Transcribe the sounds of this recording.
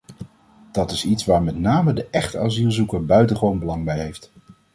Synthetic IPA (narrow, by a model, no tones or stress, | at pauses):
d̥ɑtɪsitsʋaːɹmɛtnaːmədəʔɛχta̰ːzilˠzukəɹbœɥtənχəʋownbəlɑŋbɛjɦejft